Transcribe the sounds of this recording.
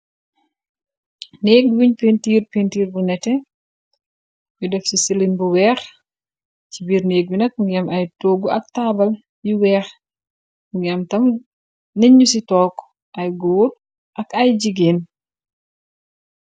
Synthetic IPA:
neːk̚dwiɲpentiːrpentiːɾbunɛtɛ | widɛfsisilinbuwɛːɾ | t͡ʃibiːɾneːɡ̚binɐk̚buŋɐmɐjtoːɡuɐk̚tabɐl | jiwɛːx | muŋamtɐm | neɲusitɔːkː | ʔɐjɡoːt̚ | ʔɐkɐjd͡ʒiɡen

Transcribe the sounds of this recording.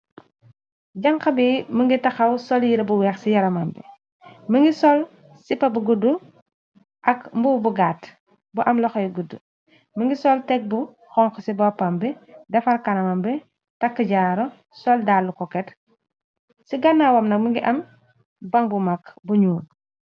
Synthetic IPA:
ɟɐŋxɐbiməŋɡitɐxɐwsɔljiɾɐbuwɛːxsijɐɾɐmɐmbɛ̰ | məŋɡisɔl | sipːɐbuɡudu | ʔɐkmbuwbuɡaːt | buʔɐmlɔxɔjɡudːu | məŋɡisɔltɛk̚bu | xɔŋkɔsibɔpːɐmbɛdɐfɐlkɐnɐmɐmbɛ | tɐkːəɟaːɾɔ | sɔldaːlːukɔkɛt | siɡɐnːawɐmnɐk̚məŋɡiʔɐm | bɐŋbumakbuɲuːn

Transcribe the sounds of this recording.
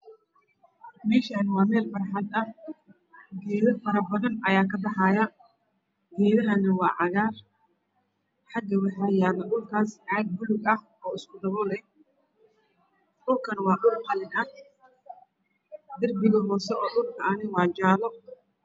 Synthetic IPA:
mɛːʃanwɑːmɛːlfɐrħɑd̪ɐ | ɡɛːðɐfɐɾɐbɐðɐnɐjaːkʰɐbɑħɑjɐ | ɡɛːðɐɦɐnɐwɑːʕɑɣaːr | ħɑɡɐwɑħɑːjaːlɐɗʊlkʰaːsʕɑːɡ̪̚bʊlʊɡɐh | ɔːɪskʰʊd̪ɐβɔlɛj | ɗʊlkʰɐnwɑːɗʊlħɐlɪnɐh | d̪ɐrbɪɣɔɦɔːsɛɔːɗʊlkʰɐɐnɪwɑːd͡ʒaːlɔ

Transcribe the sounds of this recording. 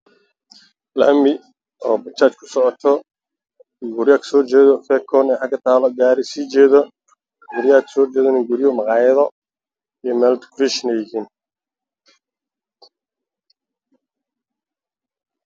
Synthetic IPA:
lɐ̰mɪ | ɔːbɐt͡ʃʰaːt͡ʃkʰʊ̥sɔʕɔt̪ʰɔ | ɡʊɾjaːkʰsɔːrt͡ʃɛːðɔfɛkʰːɔːnɛːħɑɡɐt̪ʰaːlɔɡaːɾɪsiːt͡ʃɛːðɔ | ɡʊɾjaːkʰsɔːrt͡ʃɛːðɐnɪŋɡʊɾjɔmɑqɑːjɐðɔ | ijɔmɛːlt̪kʰɾiʃnɛjɪhiːn

